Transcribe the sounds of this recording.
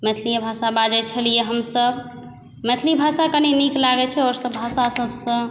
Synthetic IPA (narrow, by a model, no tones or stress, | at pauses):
mɛt̪ʰlijebʱasabad͡ʒɛt͡ʃʰəlijeɦəmsəb | mɛt̪ʰlibʱasakəneniklaɡɛt͡ʃʰɛɔɾsəbːʱasasəbsə̃